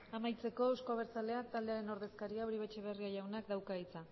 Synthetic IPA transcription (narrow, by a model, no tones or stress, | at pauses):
amajt͡se̞ko̞ewsko̞aβ̞e̞ɾt͡sale̞ak̚t̪ald̪e̞aɾe̞no̞ɾðe̞skaɾiauɾiβet͡ʃeβeriaʝawnakd̪awkait͡sa